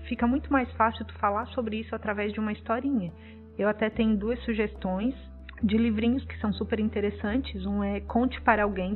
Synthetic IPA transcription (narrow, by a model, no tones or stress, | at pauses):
fikɐmũj̃t̪ʊmajsfasɪwt̪u̥falaɾsobɾɪisʊat̪ɾavɛzd͡ʒɪũmɐist̪ɔɾĩɲɐ | ewat̪ɛt̪ẽɲʊd̪uɐsːuʒest̪õj̃s | d͡ʒɪlivɾĩɲʊskɪ̥sɐ̃w̃supeɾĩnt̪eɾesɐ̃nt͡ʃɪzũɛkʰõnt͡ʃɪ̥paɾɐawɡẽj̃